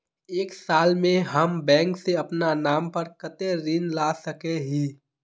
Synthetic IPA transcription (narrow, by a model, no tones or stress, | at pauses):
eːksaːlmẽɦɐmbɛ̃ːŋkseɐpnanaːmpəɾkət̪eɾɪ̃nlaːsəkeɦiː